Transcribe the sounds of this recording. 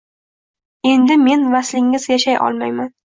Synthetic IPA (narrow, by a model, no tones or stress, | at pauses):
e̞nd̪ɪme̞nvaslɪŋːɪzjaʃajʔɒ̰lˠmajman